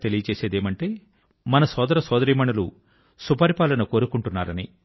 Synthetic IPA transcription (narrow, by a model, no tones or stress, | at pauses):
t̪e̞lijɐt͡ʃeːseːd̪eːmɐɳʈe̞ː | mɐnɐsɔːd̪ɐɾɐsɔːd̪ɐɾiːmɐɳɐlu | supɐɾipaːlɐnɐko̞ːɾukuɳʈunːaːɾɐni